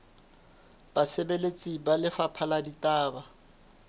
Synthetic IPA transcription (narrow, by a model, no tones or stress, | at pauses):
b̥asebelet͡sʼibalɪfapʰaladitʼaːba